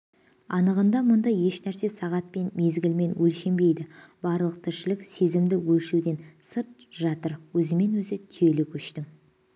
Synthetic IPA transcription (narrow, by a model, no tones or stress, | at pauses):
ɑnəʁənd̪ɑmʊnd̪ɑje̞ʃnæɾse̞sɑʁɑt̪̚pe̞nme̞zɡʲɪlme̞nwɵlʃe̞mbe̞jd̪ɪb̥ɑɾlˠəq̚t̪ʰɪɾʃɪlɪkse̞zɪmd̪ɪwɵlʃud̪e̞nsəɾt̪̚ʒɑt̪əɾwɵzɪme̞nwɵzɪt̪ʰʏje̞lɪkʲʰɵʃt̪ɪm